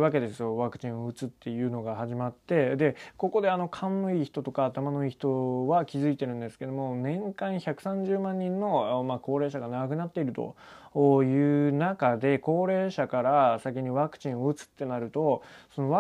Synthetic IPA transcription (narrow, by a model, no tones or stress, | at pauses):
βake̞d̪e̞sɨjo̞βakɯ̟̥t͡ɕĩo̞ɯ̟t͡sɨt̪ːe̞jɯ̟ːno̞ɡahaʑimat̪ːe̞d̪e̞ko̞ko̞d̪e̞ano̞kʰãnːo̞iːçi̥t̪o̞t̪o̞kaːt̪amano̞iːçi̥t̪o̞βakʲizɨit̪e̞ɾɯ̟̃nd̪e̞sɨ̥ke̞d̪o̞mo̞nẽ̞ŋkãɰ̃çakɯ̟̥sãɲ̟d͡ʑɨːmãɲ̟ːĩnːo̞maːko̞ːɾe̞ːɕaɡanaɡak̬ɯ̟nat̪ːe̞iɾɯ̟t̪o̞̰ | jɯ̟ːnakad̪e̞ko̞ːɾe̞ːɕakaɾasak̬ʲiɲ̟iβakɯ̟̥t͡ɕĩo̞ɯ̟t͡sɨ̥t̪ːe̞naɾɯ̟t̪o̞so̞no̞βa